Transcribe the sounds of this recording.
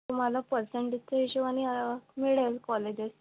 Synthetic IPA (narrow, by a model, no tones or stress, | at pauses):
t̪um̤alapəɾseɳʈit͡seiɕuʋañiamiɽelkɔled͡ʑes